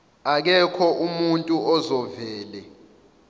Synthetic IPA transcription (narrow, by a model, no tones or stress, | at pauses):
ak̬ɛkʰɔʔumuntʼuɔzɔvɛːlɛ